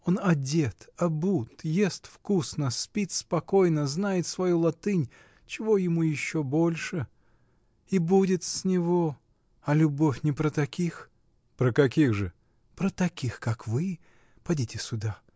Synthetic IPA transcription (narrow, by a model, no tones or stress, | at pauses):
o̞nɐdʲet̪ɐbut̪jest̪fkusnəspʲit̪spɐko̞jnəznajɪt̪svɐjulˠɐt̪ɨnʲ | t͡ɕɪvo̞jɪmujɪɕːo̞bo̞lʲʂɨ | ibudʲɪt̪sʲnʲɪvo | ɐlʲʊbo̞fʲnʲɪpɾət̪ɐkʲix | pɾəkɐkʲiɣʐɨ | pɾət̪ɐkʲixkakvɨ | pɐdʲitʲɪsʲʊd̪a